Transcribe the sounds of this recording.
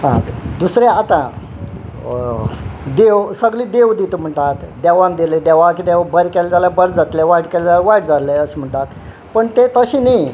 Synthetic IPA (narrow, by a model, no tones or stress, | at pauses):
ɦã̰d̪usɾeat̪a | d̪eʋsəɡliːd̪eʋd̪it̪um̤əɳʈat̪d̪ɛʋãnd̪eled̪ɛʋãkid̪ɛʋabəɾkɛld͡zalabəɾd͡zat̪leʋaʈkɛlaʋaʈd͡zaleəsm̤əɳʈ̪at̪ | pəɳt̪et̪əɕini